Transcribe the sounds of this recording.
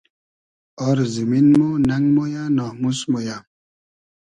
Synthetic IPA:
ɔɾziminmonaŋmojanãmusmoja

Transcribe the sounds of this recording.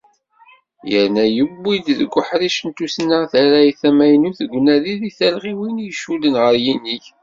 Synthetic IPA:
jəɾnæjəbːid̪ðəɡʷːəħɾiʃənt̪usnəʁθæɾæjθæmæjnuθəɡʷːnæðiðiθælʁiwinjəʃulənʁəɾjiniç

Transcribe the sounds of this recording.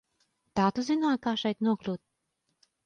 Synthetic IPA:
t̪aːt̪uzinaːkaːʃɛjt̪nuɔklʲuːt̪̚

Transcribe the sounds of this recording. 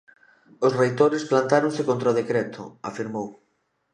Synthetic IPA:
ʊsrejt̪oɾɪsplant̪aɾõŋsɪkõnt̪ɾaoð̞ekɾɛt̪ʰʊ̰afiɾmow

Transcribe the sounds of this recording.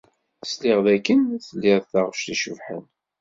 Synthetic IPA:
slɪʁðækːənθəlːɪðθaʁʃtiʃuvħə̰n

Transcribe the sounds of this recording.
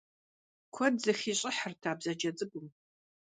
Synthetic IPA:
kʷʰɔdzɨxiːɕʼɪħərtʰaːbzɐd͡ʒɐd͡zʼɨbʷʊm

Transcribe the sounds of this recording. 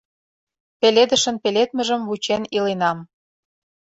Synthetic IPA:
peled̪ə̆ʃə̆npelet̪̚mə̆ʒə̆mβut͡ɕenilenɑm

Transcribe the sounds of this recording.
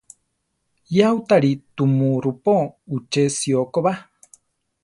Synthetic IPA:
jaut̪aɾit̪umũɾupout͡ʃesiokoβa

